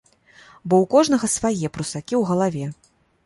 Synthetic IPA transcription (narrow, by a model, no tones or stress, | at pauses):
bɔwkɔʐn̪ɐɣɐsvajɛpɾusakʲiwɣɐlˠavʲɛ